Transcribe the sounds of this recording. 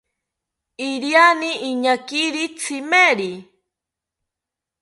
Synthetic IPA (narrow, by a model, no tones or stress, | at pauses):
iɾjaniʔːɲakiɾit͡sʰimeɾi